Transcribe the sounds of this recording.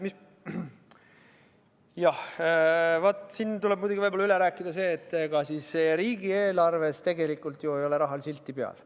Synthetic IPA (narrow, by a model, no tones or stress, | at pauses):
mis | jɑh | vɑt̪ːˑsint̪uleb̚mujd̪uɡivɑbolːɑyle̞ɾæːkːˑid̪̥ɑse̞ːt̪ːˑeɡ̥ɑsiːsːeɾiːɡie̞ːlɑrve̞st̪e̞ɡe̞likːˑult̪joejo̞le̞ɾɑɦɑlsilt̪ːˑipeɑ̰l